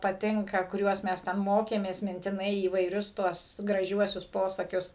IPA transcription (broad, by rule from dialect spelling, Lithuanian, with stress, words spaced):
pɐˈtʲɪŋkɐ kʊˈrʲuɔs ˈmʲɛs ˈtʲɛn ˈmoːkʲeːmʲeːs mʲɪnʲtʲɪˈnɐɪ iːʋɐɪˈrʲʊs ˈtuɔs ɡrɐˈʒʲuɔsʲʊs ˈpoːsɐkʲʊs